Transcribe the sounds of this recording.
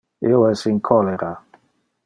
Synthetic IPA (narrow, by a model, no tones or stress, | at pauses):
eoɛsiŋkʰɔleɾa